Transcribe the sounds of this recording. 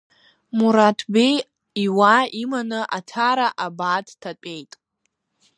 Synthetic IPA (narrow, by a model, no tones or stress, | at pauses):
muɾatʰbej | iwaimanɨʔatʰaɾaʔabaːdʰtʰat͡pʷʼe̞jtʼ